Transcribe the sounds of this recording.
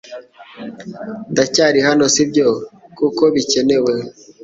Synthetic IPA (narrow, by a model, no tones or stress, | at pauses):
ndacaːɾihano̞sibɟokuko̞βice̞ne̞we̞